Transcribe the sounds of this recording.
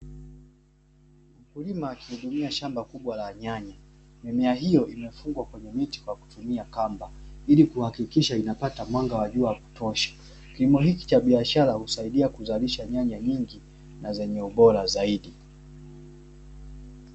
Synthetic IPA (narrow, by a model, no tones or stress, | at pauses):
m̩kulimaːkihuɗumiaʃambakuɓwalaɲaɲa | mɛmɛaɦijɔʔimɛfuŋɡwakwɛɲɛmiti̥kwaku̥tumiakambailikuhakikiʃainapatamwaŋɡawaʄuaku̥tɔʃḁ | kilimɔɦiki̥t͡ʃaɓiaʃaɾahusaiɗiakuzaliʃaɲaɲaɲiŋɡi | nazɛɲɛuɓɔɾazaiɗi